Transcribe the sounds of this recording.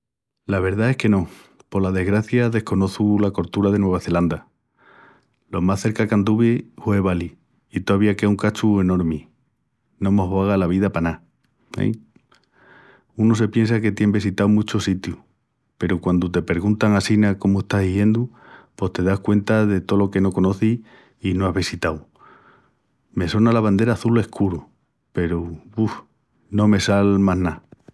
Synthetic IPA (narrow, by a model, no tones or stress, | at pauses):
laβ̞e̞ɾðae̞hke̞no̞ | po̞lað̞e̞ɣɾaθjaðe̞hko̞no̞θulako̞ɾt̪uɾaðe̞nweβaθe̞land̪a | lo̞masθe̞ɾkakand̪uβihwe̞β̞ali | it̪oaβiakeuŋkat͡ʃue̞no̞ɾmi | nõ̞mo̞ɦβaɣalaβ̞iðapana | ḛ | unus̬e̞pje̞nsake̞t̪je̞mbis̬it̪awmut͡ʃosit̪ju | pe̞ɾokwand̪ut̪e̞pe̞ɾɣunt̪aŋasinako̞moe̞st̪aɦðiʝe̞nd̪u | po̞st̪e̞ðahkwe̞nt̪aðe̞t̪olo̞ke̞no̞ko̞no̞θi | inoaɦβisit̪aw | me̞so̞nalaβand̪e̞ɾaθule̞hkuɾu | pe̞ɾuu | nõ̞me̞salmaɦna